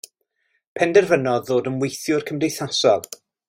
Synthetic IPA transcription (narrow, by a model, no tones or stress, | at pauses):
pʰɛndɛrvənɔððoːdənwejθjʊrkʰəmdejθasɔlˠ